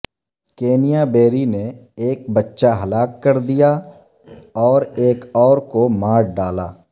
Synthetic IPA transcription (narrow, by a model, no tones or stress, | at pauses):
keːnijabeːɾineeːk̚bɐtːʃaɦɐlaːkːɐɾd̪ija | ɔːɾeːkɔːɾkomaːɾɖaːla̰ː